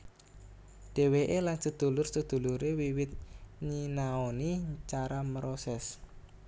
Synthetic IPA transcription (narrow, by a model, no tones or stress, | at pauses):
ɖ̥e̤weʔelansəd̪̥ṳlʊrsəd̪̥ṳluɾewiwɪt̪̚ɲinaonit͡ʃaɾaməɾosɛs